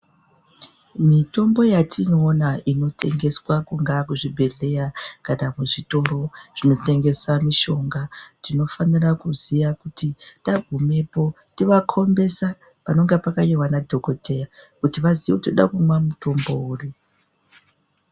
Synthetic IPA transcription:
mito̞mbo̞jatʰinoːnaʔino̞tʰe̞̰ŋɡe̞swakuŋɡakuʐibʱe̞ɮe̞jakanamuʐito̞ɾo̞ʐ̥ino̞te̞ŋɡe̞swamiʃo̞ŋɡatino̞fanirakuzijakutitaɡʱume̞po̞ | tiʋakʰo̞mbe̞sa | pano̞ŋɡepakajiwanadʱo̞ko̞tʰe̞jakutiʋaziʋetoɗa̰kumwamuto̞mbo̞uːri

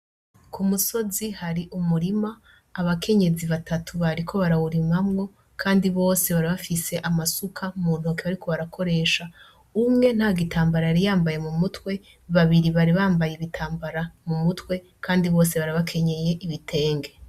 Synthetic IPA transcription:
kumuso̞zihaɾiʔumuɾimaː | βakʰe̞ɲe̞ziβatʰatʰuβaɾikʰo̞βaɾahuɾimamŋo̞ | kʰaːndiβo̞ːse̞βaɾiβafise̞ʔamasukʰamuːn̥huakiβaɾikʰoβaɾakʰo̞ɾe̞ʃa | umŋe̞n̥haɡitʰaːmbaɾajaɾijaːmbaje̞mumutwe̞ | βaβiɾiβaɾiβaːmbajeβitʰaːmbaɾamumutwe̞ | kʰaːndiβo̞ːse̞βaɾaβakʰe̞ɲe̞je̞ʔiβitʰe̞ːŋɡe

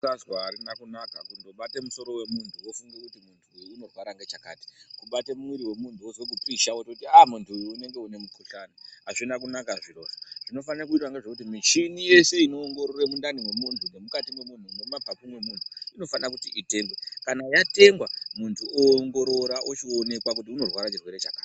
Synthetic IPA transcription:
azwaːɾinakunakakundo̞ɓatemuso̞ɾo̞we̞muntʰuwo̞fuŋɡekutimuntʰuino̞rwaɾaŋɡe̞t͡ʃaka̰ːti̥kuɓatemumwiɾiwe̞muntʰuozo̞k̬upiʃaototiamuntʰuːne̞ŋɡe̞une̞mukuɬanaaʐinak̬unakaʐiroːʃḁʐ̥ino̞fanrek̬uitwaŋɡe̞ʐek̬ut̬imit͡ʃinije̞se̞ino̞ːŋɡo̞ɾore̞mundaniwe̞muntʰune̞mukatimwe̞mun̤une̞mabʱapumwe̞muntʰuino̞fanak̬utiʔite̞ːŋɡwe̞kanajate̞ŋɡwamuntʰuʔoːŋɡo̞ɾo̞ɾaʔot͡ʃio̞ne̞kwak̬ut̬iuno̞rwaɾat͡ʃirweɾe̞t͡ʃakaːti̥

